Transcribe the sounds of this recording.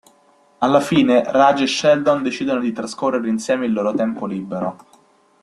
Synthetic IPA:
alːafiːnerad͡ʒeʃɛld̪ond̪et͡ʃiːd̪onod̪it̪ɾaskorːeɾeinsjɛːmeilːoːɾot̪ɛmpoliːbːeɾo

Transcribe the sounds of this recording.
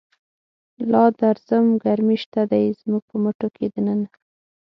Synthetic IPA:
lɑd̪aɾz̥əmɡaɾmiʃt̪ad̪ajzmuɡ̥̚pəmoʈokʰed̪ənəna

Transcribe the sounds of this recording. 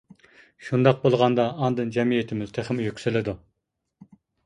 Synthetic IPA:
ʃund̪ɑq̚bolˠʁɑnd̪ɑːnd̪ɨnd͡ʒɛmijet̪ʰɪmyz̥t̪ʰeχɪmjykʲsɪlɪd̪u

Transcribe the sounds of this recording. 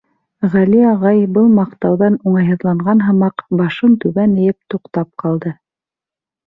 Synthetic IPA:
ʁæliɑʁɑjbɤlˠmɑqt̪ɑwðɑnuɴɑjɦɤ̆ðlˠɑɴɢɑnɦɤ̆mɑqbɑʃɤnt̪ʉβænɘ̆jɘp̚t̪uqt̪ɑp̚qɑlˠd̪ɤ

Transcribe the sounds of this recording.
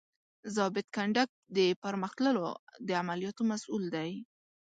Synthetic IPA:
zɑbɪd̪kaɳɖak̚d̪əpaɾməxt̪ləlod̪əamalijɑt̪omasuld̪aj

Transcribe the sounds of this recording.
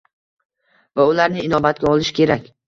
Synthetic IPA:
vaʊlaɾnɪɪnɒbat̪̚ɡʲaɒlˠɪʃkʲe̞ɾakʲ

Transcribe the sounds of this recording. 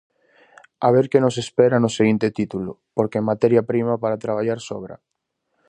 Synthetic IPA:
aβeɾkenosespeɾanoseɣint̪et̪it̪ulʊ̰ | poɾkemat̪ɛɾjapɾimapaɾat̪ɾaβ̞aʎaɾsoβ̞ɾa̰

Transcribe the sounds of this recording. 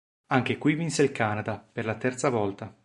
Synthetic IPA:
aŋk̟ekwivinseilkaːnad̪aperlat̪ɛrt̪savɔlt̪a

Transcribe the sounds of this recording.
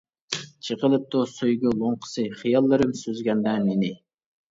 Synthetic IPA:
t͡ʃʰəqəlˠɨp̚t̪usojɡʲɪlˠoɴqʰə̥sɨχijɑlˠːɨɾɨmsøzɡʲɛnd̪ɛmenɪ

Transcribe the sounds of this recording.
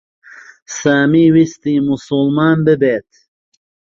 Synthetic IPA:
saːmiːwist̪iːmusulmaːnbɨbeːt̪

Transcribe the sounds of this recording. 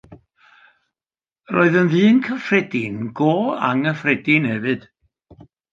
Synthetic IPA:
ro̰ːɨðənvɨːnkʰəfrɛdɪnɡoːa̰ŋəfrɛdɪnhɛvɨd̥

